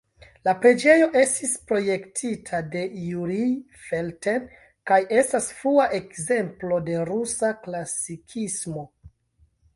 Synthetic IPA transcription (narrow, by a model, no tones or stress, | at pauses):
lapɾe̞d͡ʒe̞jo̞ʔe̞stispɾo̞je̞ktʰitʰade̞juɾi | felte̞n | kajʔe̞stasfɾuaʔe̞kze̞mplo̞de̞ɾusaklasikʰismo̞